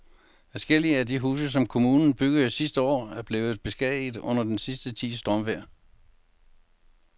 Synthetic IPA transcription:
fæsɡ̥el̰iəæd̥iɦuːsəs̬ɒ̽mkʰo̝muːnn̩b̥yɡ̥ðˠsisd̥əɒ̰ːæɐb̥le̝ːð̞̩ˠb̥e̝sɡ̥ɛð̰ˠið̩ˠɔ̽n̰ɐd̥ensisd̥ət͡sʰḭːsd̥ʁɒmʋeɐ̰

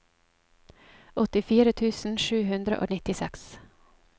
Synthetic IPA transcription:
ɔt̪ɪfiːɾət̪ʰʉːsn̩ʃʉːɦʉnd̪ɾə̰ʔo̰ːnɪt̪ɪsɛks

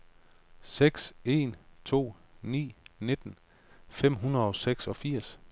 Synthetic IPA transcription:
seɡ̥se̝̰nt͡sʰo̝̰ːnḭːne̝d̥n̩ | fem̰ɦunɐðˠɒ̽seɡ̥sɒ̽fiɐ̰s

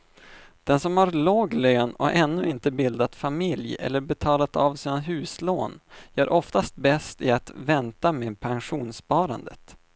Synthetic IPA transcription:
d̪̥ɛnsɔmhaɾloːɡløːnɔ̰ʔɛnːɵɪnt̪əbɪld̪at̪famɪljɛ̰lːəɾbɛt̪ʰɑːlat̪avsiːnanɦʉ̟ːsloːnjœːɾʔɔft̪ast̪̚bɛst̪ɪat̪vɛnt̪ameːpʰanɧuːnspɑːɾa̰nd̪ə̰t̪

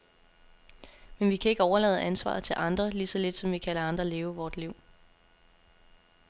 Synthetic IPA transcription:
menʋikʰæe̝ɡ̥əɒʊɐlɛ̰ːð̩ˠænsʋɑ̰̈ːð̩ˠt͡sʰe̝lʔɑ̈nd̥ʁɐlisɒ̽le̝d̥sɒ̽mʋikʰælɐɑ̈nd̥ʁɐle̝ːʊəʋɒːd̥liʊ̰

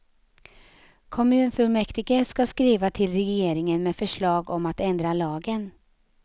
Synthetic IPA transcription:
kʰɔmʉ̟ːnfɵlmɛkt̪ɪɡəskaskɾiːvat̪ʰɪlɾɛjeːɾɪŋənmɛːfœʂɭɑːɡɔmat̪ɛnd̪ɾalɑːɡən

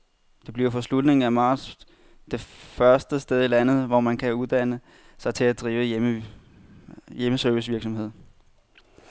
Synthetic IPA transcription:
d̥e̝b̥liɐfɒ̽slud̥ne̝ŋ̩æmɑ̥̈ːs | d̥e̝fɶɐsd̥əsd̥eð̞ˠilænð̞̩ˠʋɒmænkʰæuð̞ˠd̥ænə | sɑ̈ɪt͡sʰe̝æd̥ʁiːʊəm | jeməsœɐʋis̬ʋiɐɡ̥sɒ̽mhe̝ð̰ˠ

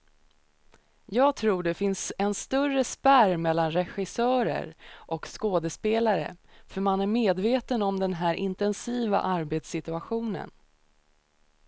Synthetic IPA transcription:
jɑːɡt̪ʰɾuːɖɛfɪnsɛnst̪ɵrəspæɾmɛlːanɾɛɧɪsœːɾə̰ɾʔɔkskoːd̪əspeːlaɾə̰fœɾmanæɾmeːd̪veːt̪ənɔmd̪ɛnɦæːɾʔɪnt̪ɛnsiːva̰ʔaɾbeːt̪sɪt̪ɵaɧuːnə̰n

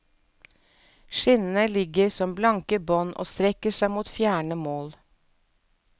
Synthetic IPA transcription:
ʃɪnnəlɪɡəɾsɔmblɑŋkəbɔnʔo̰ːst̪ɾɛkəsæɪmuːt̪fjæːɳəmoːl

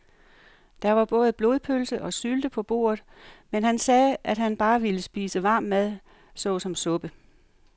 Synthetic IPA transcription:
d̥ɑʋɑ̈b̥ɔ̽ːð̞̩ˠb̥lo̝ðˠpʰølsəʔɒ̽syld̥əpʰɒ̽b̥o̝̰ːɐð̩ˠmenɦænsɛːʔæd̥ɦænb̥ɑ̈ːʋiləsb̥iːsəʋɑ̈ːmːæðˠ | sɔ̽ːsɒ̽msɔ̽b̥ə

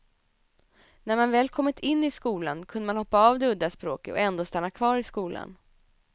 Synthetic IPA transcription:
næɾmanvɛːlkʰɔmːɪt̪ʰɪnːɪskuːlankʰɵnd̪əmanhɔpːaɑːvd̪ɛɵd̪ːaspɾo̰ːkət̪ɔ̰ɛnd̪oːst̪anːakʰvɑːɾɪskuːla̰n

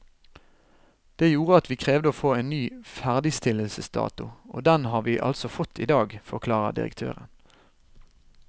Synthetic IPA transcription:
d̪̥eːjuːʁəɑt̪ʋiːkʰʁeːʋd̪əoːfoːeːnnyːfæʁd̪ɪst̪ɪləlsəsd̪ɑ̰ːt̪ʊʔo̰ːd̪ɛnhɑːʁʋiːʔɑ̰lsɔfɔt̪ʰːḭːd̪ɑːɡfɔʁkʰlɑːʁə̰d̪ɪ̰ʁə̰kt̪ʰø̰ːʁən

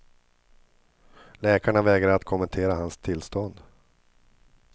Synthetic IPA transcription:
lɛːkaɳavɛːɡɾaɾat̪kʰʊmɛnt̪ʰeːɾahanst̪ʰɪlst̪ɔnd̪

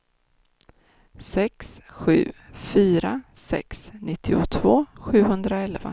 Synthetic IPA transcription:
sɛksɧʉ̟ːfyːɾasɛ̰ksnɪt̪ʰːɪʊt̪ʰvoːɧʉ̟ːɦɵnd̪ɾaɛlva̰

